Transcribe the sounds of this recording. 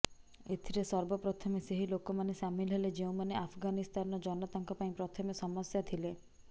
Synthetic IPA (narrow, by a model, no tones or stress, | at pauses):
et̪ʰiɾesɔɾbɔpɾɔt̪ʰɔmeseɦilokɔmanesamilɦeled͡ʒeũmaneapʰɡanist̪ʰanɔd͡ʒɔnɔt̪aŋkɔpaĩpɾɔt̪ʰɔmesɔmɔsjat̪ʰile